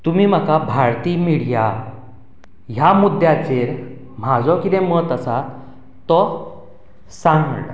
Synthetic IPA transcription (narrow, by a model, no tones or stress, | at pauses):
t̪umiːm̤akabʱaɾt̪iːmiɭ̤ja | ɦjamud̪jad͡zeɾ | m̤ad͡zɔkid̪ẽmət̪əsa | t̪ɔ | sãŋɡɽ